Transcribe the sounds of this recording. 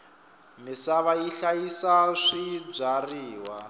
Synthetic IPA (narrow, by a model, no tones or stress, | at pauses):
misaβajiɬajisaʂib͡ʐariːwa